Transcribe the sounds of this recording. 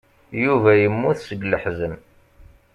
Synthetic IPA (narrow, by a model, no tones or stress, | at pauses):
juvæjəmːuθsəɡləħzən